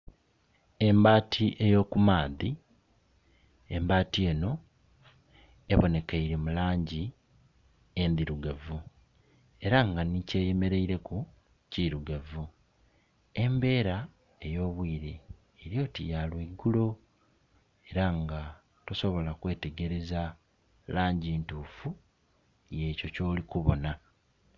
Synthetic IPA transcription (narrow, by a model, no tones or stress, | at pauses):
e̞mbaːtʰiʔe̞jo̞ːkumaːði | embaːtie̞ːno̞ | eβo̞ne̞kaiɾimulaːɲɟi | endiɾuɡavu | e̞ɾaŋɡanice̞ːje̞me̞ɾe̞iɾe̞ku | ciɾuɡavu | e̞mbe̞ːɾa | e̞jo̞ːβwiːɾeː | ɾijo̞ːtḭjalweɡulo̞ | e̞ɾaŋɡa | toso̞βo̞lakwe̞ːte̞ɡe̞ɾe̞za | laːɲɟiːntuːfu | je̞ːco̞co̞ːlikuβo̞̰na